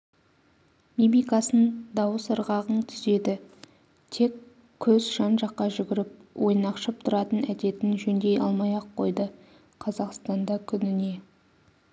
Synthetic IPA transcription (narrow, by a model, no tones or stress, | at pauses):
mibijkɑsənd̪ɑwəsəɾʁɑʁənt̪ʰʏ̥ze̞d̪ɪ | t̪ʰe̞kʲʰː | ɵzʒɑnʒɑqːɑʒʏɡʲɪɾɪp̚wʔo̞jnɑqʃəp̚t̪ʰʊɾɑt̪ənæd̪e̞t̪ɪnʒɵnd̪e̞jɑ̰lˠmɑjɑqʰːo̞jd̪ə | qʰɑzɑqst̪ɑnd̪ɑkʲʰʏnɪne̞